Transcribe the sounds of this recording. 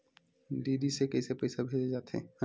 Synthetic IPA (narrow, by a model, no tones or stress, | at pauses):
ɖiɖisekɛjsepejsabʱed͡ʒed͡ʒaːt̪ʰḛ